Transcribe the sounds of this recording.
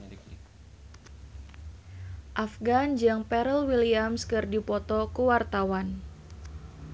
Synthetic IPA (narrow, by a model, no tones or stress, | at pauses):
ʔafɡand͡ʒaŋpɛɾəlwiliamskɨrdipɔt̪ɔkuwart̪awan